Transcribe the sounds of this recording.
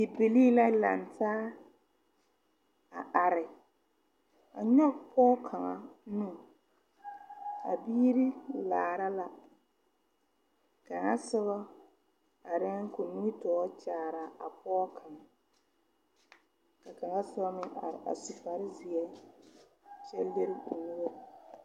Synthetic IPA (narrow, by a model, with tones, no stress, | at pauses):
ɪ˨bɪ˨liː˦la˦la̰˨ntʰaː˦ | a˨ʔa˨ɾɪ˨ | a̰˨ɲɔ˦pʰɔː˦kʰa˨ŋa̰˨nũ˦ | a̰˨biː˦ɾi˦laː˨ɾa˦la˨ | ka˨ŋa˦sɪ˦βɔ˦ | a˨ɾɛ˦ko˨nu˦i˦tɔː˨˦t͡ʃaː˨ɾa˨a˨pʰɔː˦kʰa˨ŋa˨ | ka˨ka˨ŋa˦sɪ˦ba˦mɪ˦ŋʔa̰˨ɾɪ̰˨ʔa̰˨su˨fa˨ɾɪ˦zi˨ɛ˦ | t͡ʃɛ˦le˦ɾɪ˦u˨nu˦o˦˨